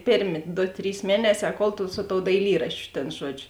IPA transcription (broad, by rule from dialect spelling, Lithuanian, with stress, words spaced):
ˈpʲeːrʲˌmʲeː ˈdoː ˈtʲrʲiːs ˈmʲiɛnʲɛˌsʲɛː ˈkoːlˠ tʊ sʊ toːʊ dɐɪˈlʲiːrɐʃʲt͡ʃʲʊ tʲeːn ˈʒuɔd͡ʒʲʊ